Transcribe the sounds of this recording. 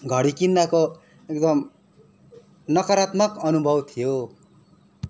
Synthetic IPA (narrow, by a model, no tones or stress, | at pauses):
ɡʱʌɽikinːako | ekd̪ʌm | nʌkʌɾat̪mʌkʌnubʱʌbt̪ʰijo